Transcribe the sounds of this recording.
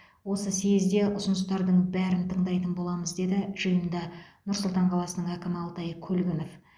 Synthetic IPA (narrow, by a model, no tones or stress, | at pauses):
wo̞səsezd̪e̞ʔʊsənəst̪ɑɾd̪əɴbæɾɪnt̪ʰəɴd̪ɑjt̪ənbo̞lˠɑməzd̪e̞d̪ɪʒ̥əjənd̪ɑnʊɾsʊlˠt̪ɑɴqʰɑlˠɑsənəɴækʲɪmɪɑlˠt̪ɑjkʲʰɵlɡʲɪno̞f